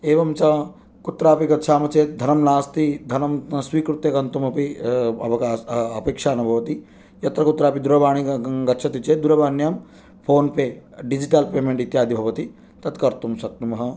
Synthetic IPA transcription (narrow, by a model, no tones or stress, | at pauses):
eːʋɐmt͡ʃɐ | kut̪ɾaːpiɡɐt̪ʃʰaːmɐt͡ʃeːt̪̚d̪ʱɐnɐmlaːst̪id̪ʱɐnɐmsʋiːkɾut̪jɐkɐnt̪umɐpiɐʋɐkaɐpeːkʂaːnɐbʱɐʋɐt̪i | jɐt̪ɾɐkut̪ɾaːpid̪uɾɐʋaːɳ̃iɡɐt̪t͡ʃʰɐt̪it͡ʃeːd̪uɾɐbaːnjɐm | pʰoːnpeːɖid͡ʒiʈalpeːmeɳʈit̪jaːd̪ʱibʱɐʋɐt̪i | t̪ɐt̪kɐɾt̪umsɐk̚t̪umɐɦɐ̆